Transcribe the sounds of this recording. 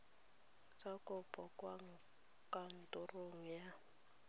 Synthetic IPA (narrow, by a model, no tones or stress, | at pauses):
t͡sʼakʼʊpʼɔkʼwaŋ̩ | kʼan̩tʼʊroŋ̩ja